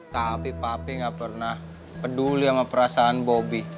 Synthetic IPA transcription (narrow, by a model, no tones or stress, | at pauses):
t̪apipapɪŋɡapərnah | pəduliamapəɾasaanbobi